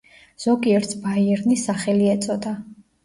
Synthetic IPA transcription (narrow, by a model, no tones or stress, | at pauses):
z̥ɔɡiɛɾt̪ʰbaiɛɾnisaχɛliɛt̪sʼɔd̪a